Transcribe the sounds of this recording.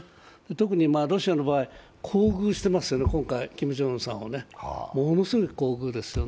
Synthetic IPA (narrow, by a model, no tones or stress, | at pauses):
d̪̥e̞t̪o̞k̬ɯ̟ɲ̟imaːɾo̞ɕiano̞baːi | kʰo̞ːɡɯ̟ːɕi̥t̪e̞masɨjo̞nekõ̞ŋkaikʲimɯ̟ʑõ̞sã̰ɰ̃ane̞mono̞sɨɡo̞i̥ko̞ːɡɯ̟ːd̪e̞sɨ̥jo̞